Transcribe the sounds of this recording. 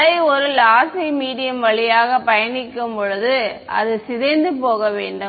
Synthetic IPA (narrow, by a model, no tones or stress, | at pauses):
ɐɪɔɾɯlaːsiɪmiːɽɪjɐmʋɐɭɪjaːɣɐpɐjɐnɪkːɯmpɔɻɯðɯɐ̰ðɯsɪðɐɪnd̪ɯpoːɣɐʋḛːɳɖɯ